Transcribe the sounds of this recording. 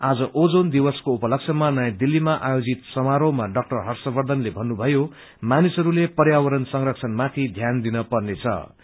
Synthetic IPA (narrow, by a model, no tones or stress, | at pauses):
ad͡zʌʔod͡zond̪ibʌskoupʌlʌk̚sʰʌmanʌjãd̪ilːimaʔajod͡zit̪sʌmaɾowmaɖʌk̚ʈʌrɦʌrsʌbʌrd̪ʱʌnlebʱʌnːubʱʌjo | manisʌɾulepʌrjawʌɾʌnsʌŋrʌkt͡sʰʌnmat̪ʰid̪ʱjand̪inʌpʌrnet͡sʰʌ̰